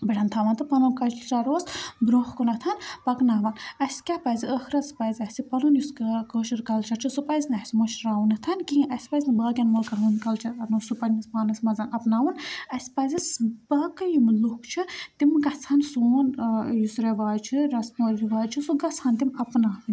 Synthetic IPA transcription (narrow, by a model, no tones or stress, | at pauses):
bɐʈɐnt̪ʰaːʋɐnt̪ɨpɐluːnkɐt͡ʃtʰɾaɾoːsbɾoːxkunɐt̪ʰɐnpɐknaːʋanɐsʲkʲapɐzʲiəxɾɐt͡spɐzʲɐsʲipɐlunjuskkəːʃɨɾkɐlt͡ʃʰɐɾt͡ʃʰɨsupɐzʲnɐsʲimoʃɾaːwunɐt̪ʰɐnkiʔɐsʲpɐzʲnɨbaːɡʲɐnmoːlkɐɾunkɐlt͡ʃʰɐnoːsupɐnʲispaːnɐsmɐzɐnɐpnaːʋunɐsʲpɐzʲisbaːkɐjumlukt͡ʃʰɨt̪imɡɐt͡sʰɐnsoːnjusɾeʋaːjt͡ʃʰɨɾɐsmoɾiʋaːjt͡ʃʰɨsuɡɐt͡sʰɐːnt̪imɐpnaːʋɨnʲ